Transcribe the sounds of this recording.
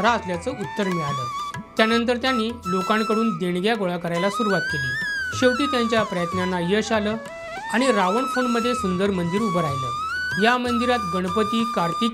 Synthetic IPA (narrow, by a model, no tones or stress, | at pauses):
ɾaəsljat͡səːʔut̪ːəɾmiɭaləːt̪janənt̪̬əɾt̪janːiːlokãŋkəɽuːnd̪eɳɡjaɡoɭakəɾajlasuɾuʋat̪̚keliːɕəwt̪iːt̪jaɲt͡ɕjapɾəjət̪nanːajəɕaləː | aɽ̃iɾaʋəɳfoɳməd̪ʱːjesund̪əɾmənd̪iɾubəɾajlə̰ːjamənd̪iɾat̪ɡəɽ̃pət̪iːkaɾt̪iː